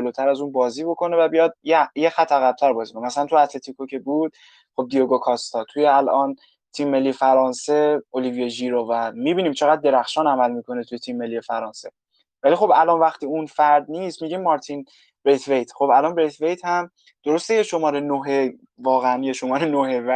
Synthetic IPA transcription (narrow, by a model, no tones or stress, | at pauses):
d͡ʒeloːt̪ʰæɾæzuːnbɒːziːbo̞kʰo̞ne̞væbijɒd̪̚jejexæt̪ʰːæɣæb̚t̪ʰæɾbɒːziːkonemæsælænt̪ʰuæt̪ʰle̞t̪ʰikʰocʰe̞buːd̪̥̚ | χo̞b̚d̪ijoɡokʰɒst̪ʰɒːt̪ʰujeælʔɒn | t̪ʰimːe̞lːijefæɾɒːnseolivijeʒiɾovæmiːbiːniːmt͡ʃʰe̞ɣæd̪̚ːe̞ɾæxʃɒːnæmælmikʰo̞net̪ʰujet̪ʰimːe̞lːije̞fæɾɒːnse̞ | vælixo̞bælɒnvæχt̪ʰiːunfæɾd̪niːst̪miːɟimːɒɾt̪ʰin | b̥ɾet̪ʰvejt̪ʰχo̞bælɒnbɾet̪ʰvejt̪ʰhæm | d̪̥o̞ɾo̞st̪ejeʃo̞mɒːɾenoɦe | vɒːɣeænjeʃo̞mɒːɾenoɦevæ